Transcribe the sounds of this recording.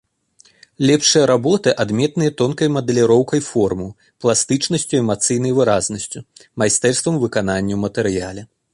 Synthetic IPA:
lʲɛpʂɐjɐɾabɔt̪ɨʔad̪mʲɛt̪nɨjɐt̪ɔnkɐjmɐd̪ɛlʲiɾɔwkɐjfɔrmɨ | plˠast̪ɨt͡ʂnɐsʲt͡sʲuɛmat̪sɨjn̪ɐjvɨɾaznɐsʲt͡sʲumajst̪ɛrst̪vɐmvɨkananʲːɐwmɐt̪ɛɾɨjalʲɛ

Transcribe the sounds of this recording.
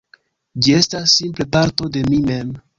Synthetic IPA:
d͡ʒie̞stasːimple̞paɾto̞de̞mime̞m

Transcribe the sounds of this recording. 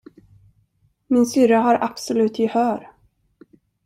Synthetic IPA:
mɪnsʏɾaɦaɾʔapsɔlʉ̟ːt̪jɪhœːɾ

